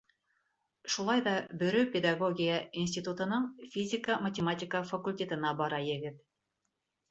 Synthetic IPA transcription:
ʃulˠɑjðɑbɵ̆ɾɵpʲed̪aɡoɡʲijəinsʲtʲit̪ut̪ɤ̆nɤɴfʲizʲɪkəmɐtʲɪmatʲɪkəfɐkulʲtʲe̞t̪ə̆nɑbɑɾɑjɘ̆ɡɘt̪

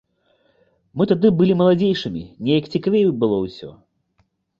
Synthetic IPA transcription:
mɨt̪ad̪ɨbɨlʲimɐlˠad͡zʲejʂɨmʲḭnʲejɐkt͡sʲikavʲejubɨlˠɔwsʲɔ̰

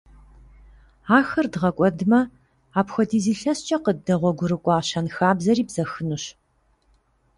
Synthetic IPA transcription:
aːxɐrdʁɐkʷʼɔdɨmɐ | aːpxʷɔdiːziːɬɐɕt͡ʃʼɐqədɐʁʷɔɡʷʊɾɨkʷʼɑːɕɐnxaːbzɐriːbzɐxɨnuɕ

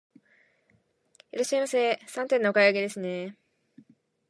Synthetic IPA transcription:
ɯɾoɕiaimaseːsãnt̪enːookaiaɡe̞d̪e̞sɨne̞

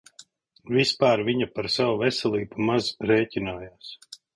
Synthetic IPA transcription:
vispaːɾviɲapaɾsawuvɛsɛlˠiːbumazɾeːcʲinaːjaːs

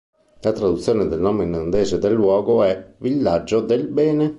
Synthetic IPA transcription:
lat̪ɾad̪ut̪sːjoːned̪elnoːmeinand̪eːzed̪elːwɔːɡoɛvilːad͡ʒːod̪elbɛːne

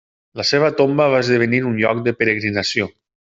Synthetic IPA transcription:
ləseβ̞ət̪ombəβazðəβ̞əniɾunʎɔ̰k̚d̪əpəɾəɣɾinəsio

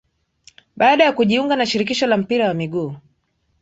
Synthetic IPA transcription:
ɓaːɗajakuʄiuŋɡanaʃiɾikiʃɔlam̩piɾawamiɠuː

